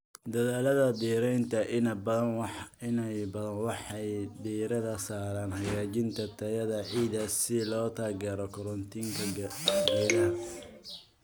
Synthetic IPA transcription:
d̪ɐðaːlɐðɐd̪iːɾɛjnt̪ʰɐʔɪnɐbɐɐnɪnɛjbɐðɐnwɑħɑjd̪iːɾɐðɐsaːɾaːnhɐɣaːt͡ʃɪnt̪ʰɐt̪ʰɐjɐðɐʕiːðɐsɪlɔːt̪ʰaːɡɛːɾɔkʰɔɾɔnt̪ʰiːŋkʰɐbɛɐ

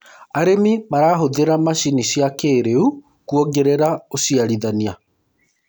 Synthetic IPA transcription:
aɾemimaɾaːɦoðeɾamaɕiniɕiakeːɾeu | kuɔɡeɾeɾaosiaɾiðania

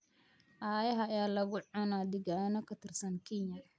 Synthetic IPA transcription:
ʔaːjɐɦɐjaːlɐɣʊʕʊnaːd̪ɪɡaːnɔkʰɐt̪ʰɪrsɐnkʰiɲjɐ

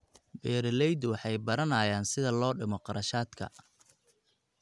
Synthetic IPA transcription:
bɛːɾɪlɛjd̪wɑħɑjbɐɾɐnaːjaːnsɪðɐlɔːɖɪmɔqɑɾɐʃaːd̪kʰɐ̰

